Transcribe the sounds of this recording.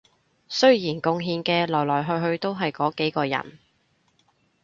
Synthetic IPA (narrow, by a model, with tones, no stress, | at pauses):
sɵ˥ɥjiː˨˩nkʊ˧ŋɦiː˧nkɛː˧lɔː˨˩jlɔː˨˩jɦɵ˧ɥɦɵ˧ɥt̪o˥wɦɐ˨jkɔː˨˥ke˨˥jkɔː˧jɐ̰˨˩n